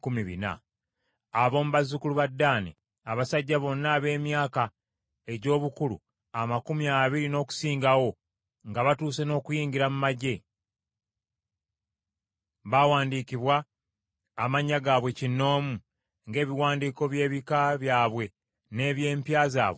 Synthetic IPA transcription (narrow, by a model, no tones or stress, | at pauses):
kumiβḭna̰ | aβo̞ːmuβazukuluβadːaːnḭ | aβasaɟːaβo̞nːaːβe̞ːmjaːka | e̞ɟo̞ːβukulṵ | amakumiaːβiɾino̞ːku̥siːŋɡawo̞ | ŋɡaβatuːse̞no̞ːkujiːɲɟiɾamumaɟe̞ | βawaːndikiβwaː | maɲːaɡaːβwe̞cinːo̞ːmu | ŋɡe̞ːβiwaːndiːko̞βje̞ːβikaβjaːβwe̞ | ne̞ːβje̞ːmpjaːza̰ːβe